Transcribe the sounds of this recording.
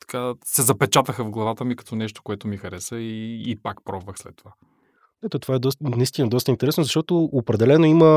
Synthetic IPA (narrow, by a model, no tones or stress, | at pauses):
t̪ɐ̥kasɛzɐpɛt͡ʃat̪əxəvɡlˠɐvat̪əmikɐ̥t̪ɔnɛʃt̪o̥koɛt̪omixɐɾɛsəiːpakpɾɔbvəxslɛ̰t̪ːova | ɛt̪ot̪ovaɛd̪ɔst̪ənɐist̪inɐd̪ɔst̪əint̪ɛɾɛsnozɐʃt̪ɔt̪oːpɾɛd̪ɛlɛnoimə